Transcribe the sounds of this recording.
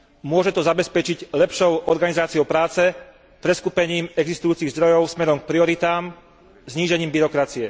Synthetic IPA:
mʊɔʒɛt̪ɔzabɛspɛt͡ʃiɟlɛpʃɔʊʔɔɾɡanizaːt͡siɔʊpɾaːt͡sɛ | pɾɛskupɛɲiːmɛɡzist̪ujuːt͡siɣzd̪ɾɔjɔʊsmɛɾɔmk̚pɾiɔɾit̪aːm | zɲiːʒɛɲiːmbiɾɔkɾat͡siɛ

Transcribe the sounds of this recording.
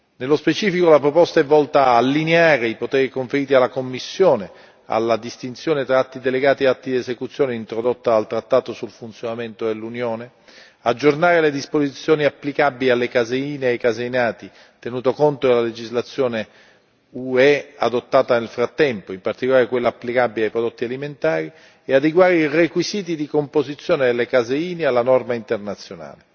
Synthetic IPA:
nelːospet͡ʃiːfikolapɾopɔst̪aɛvːɔlt̪aːlːineaːɾeipot̪ɛːɾikoɱfeɾiːt̪ialːakomːisːjoːne | a̰lːad̪ist̪int̪sjoːnet̪ɾaat̪ːid̪eleɡaːt̪ieat̪ːid̪ezekut̪sjoːneint̪ɾod̪ot̪ːaalt̪ɾat̪ːaːt̪osulfunt̪sjonament̪odelːunjoːne | ad͡ʒːornaːɾeled̪ispozit̪sːjoːniapːlikabilialːekazeiːneajkazeinaːt̪i | t̪enuːt̪okont̪od̪elaled͡ʒizlat̪sːjoːne | uɛad̪ot̪ːaːt̪anelfɾat̪ːɛmpoimpart̪ikolaːɾekwelːaːapːlikabiliajpɾod̪ot̪ːialiment̪aːɾi | ead̪eɡwaːɾeirekwiziːt̪̬id̪ikompozit̪sːjoːned̪elːekazeiːnealːanɔrmaint̪ernat̪sːjona̰ːle

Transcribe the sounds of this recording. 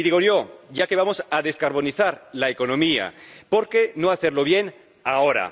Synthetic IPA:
iðiɣo̞ʎo̞ʝake̞β̞amo̞saðe̞skaɾβ̞o̞niθaɾlaeko̞nõ̞mia̰po̞ɾke̞noaθeɾlo̞β̞je̞n | ao̞ɾa̰

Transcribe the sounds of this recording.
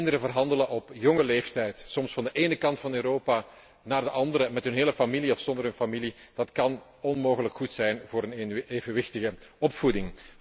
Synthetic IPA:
ndəɾəvərɦɑndələʔɔpjɔŋəleːftɛjtsɔmsfɑndəʔeːnəkɑntfɑnøːɾoːpaː | naːrdəʔɑndəɾəmɛtɦɵnɦeːləfamiliɔfsɔndərɦɵnfamilid̥ɑtkɑn | ɔnmoːɣələkxutsɛjnvoːɾəneːvənʋɪxtəɣəɔpfudɪŋ

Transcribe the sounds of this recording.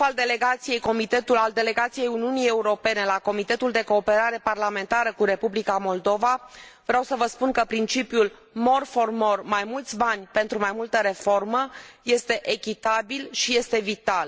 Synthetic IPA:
fald̪e̞le̞ɡat̪sije̞jko̞mit̪e̞t̪ulald̪e̞le̞ɡat̪sijejuniunie̞uɾo̞pe̞ne̞lako̞mit̪e̞t̪uld̪e̞ko̞ːpe̞ɾaɾe̞parlame̞nt̪aɾəkuɾe̞publikamo̞ld̪o̞vavɾeawsəvəspunkəpɾint͡ʃipjul | mo̞rfo̞rmo̞rmajmult̪sʲbanʲpe̞nt̪ɾumajmult̪əɾe̞fo̞rməje̞st̪e̞ʔekʲit̪abilʃije̞st̪e̞vit̪al

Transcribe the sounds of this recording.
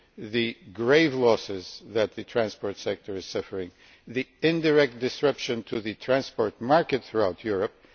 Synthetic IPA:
ðɨɡɹeɪvlɔsɪzðɨt̪̚ðɨtʰɹæ̃nspɔɹtsɛk̚tʰə˞ɨz̥sʌfə˞ɪ̃ŋ | ðiɪ̃ndəɹɛk̚t̚d̥ɨsɹɛpʃɨ̃ntʰɨðɨtʰɹ̥æ̃nspɔɹt̚mɑɹkɨt̪̚θɹuaʊtʰjʊɹɨp̚

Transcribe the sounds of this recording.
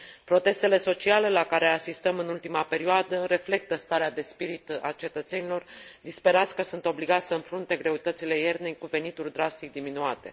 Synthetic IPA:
pɾo̞t̪e̞st̪e̞le̞so̞t͡ʃiale̞lakaɾe̞asist̪əmɨnult̪imape̞ɾioad̪əɾe̞fle̞k̚t̪əst̪aɾead̪e̞spiɾit̪a̰t͡ʃe̞t̪ət̪senilo̞rd̪ispe̞ɾat̪sʲkəsunt̪o̞bliɡat̪sʲsəɨnfɾunt̪e̞ɡɾe̞ut̪ət̪sile̞je̞rd̪ejkuve̞nit̪urʲd̪ɾast̪ik̚d̪iminuat̪e̞̰

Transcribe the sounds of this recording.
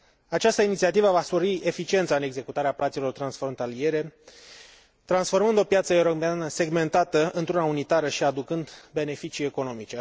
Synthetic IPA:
at͡ʃast̪əinit̪siat̪ivəvaspo̞ɾiʔe̞fit͡ʃie̞nt̪saɨne̞ɡze̞kut̪aɾeaplat̪silo̞rt̪ɾansfɾo̞nt̪alie̞ɾe̞ | t̪ɾansfo̞rmɨnd̪o̞pjat̪səewɾomeanəse̞ɡme̞nt̪at̪əɨnt̪ɾunaunit̪aɾəʃiad̪ukɨnd̪be̞ne̞fit͡ʃiːe̞ko̞no̞mit͡ʃe

